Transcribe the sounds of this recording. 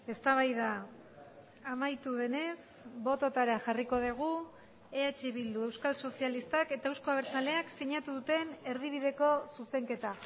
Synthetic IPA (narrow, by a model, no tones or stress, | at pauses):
e̞st̪aβ̞ajða | majt̪uðe̞ne̞s | bo̞t̪o̞t̪aɾaʝariko̞ð̞eɣ̞u | eat͡ʃeβild̪ue̞wskalso̞sialist̪ake̞t̪aewsko̞aβeɾt͡sale̞akse̞ɲat̪uðut̪e̞ne̞ɾðiβ̞iðe̞ko̞suse̞ŋke̞t̪a